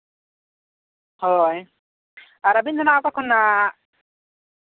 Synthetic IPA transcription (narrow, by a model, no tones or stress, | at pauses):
hɔj | aɾabint̪ɔnaakakʰːɔnːa